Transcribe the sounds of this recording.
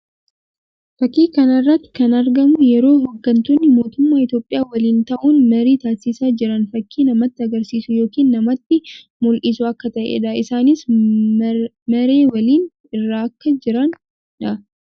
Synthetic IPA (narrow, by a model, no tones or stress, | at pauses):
fɐkːiːkɐnɐrːɐt̪ːɪ̥kɐnɐɾɡɐmʊjɛɾo̞ːɦoɡːɐnt̪unːɪmo̞ːt̪ʊmːaːɪt̪jo̞ːpʼɪjaːwɐliːnt̪ɐʔuːnmɐɾiːt̪aːsːɪsaːd͡ʒɪɾɐnfɐkːiːnɐmɐt̪ːɪɐɡɐɾsiːsʊjo̞ːkiːnːɐmɐt̪ːɪ | mʊlʔɪsʊɐkːɐt̪ɐʔḛᶑɐɪsaːnɪs | mɐɾeːwɐliːn | ɪrːaːɐkːɐd͡ʒɪɾɐn | ᶑɐ